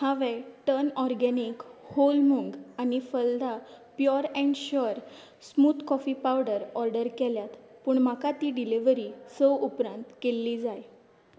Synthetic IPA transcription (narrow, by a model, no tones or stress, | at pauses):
hãʋeʈənɔɾɡɛnikholmuŋɡanifəld̪ʱa | pjɔɾɛɳɖɕɔɾ | smuːt̪kɔfipawɖəɾɔɾɖəɾkeljat̪puːɳm̤akat̪iːɖiliʋəɾisəwupɾãnt̪kelːiːd͡zaj